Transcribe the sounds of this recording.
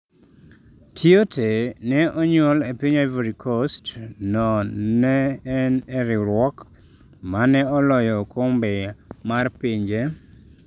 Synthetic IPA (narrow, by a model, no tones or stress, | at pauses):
tʰjotʰenɛʔɔɲɔlepiɲaveɾikʰostnɔnɛːnɛɾɪɾwɔk | manɛɔlɔjɔkombɛmarpiɲd͡ʒe